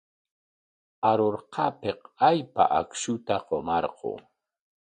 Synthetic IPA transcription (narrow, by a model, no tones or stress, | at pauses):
aɾoɾqʰɑpeqajpa̰ʔakʃʊt̪aqomɑɾqo̰